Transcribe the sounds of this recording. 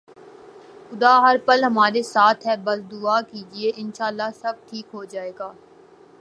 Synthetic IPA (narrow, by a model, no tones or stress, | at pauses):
xʊd̪aːɦɐɾpɐlɦɐmaːɾesaːt̪ʰɦɛːbɐsd̪ʊakiːd͡ʒieʔɪ̃nʃaːlːasɐb̚ʈʰiːkɦod͡ʒaːeːɡaː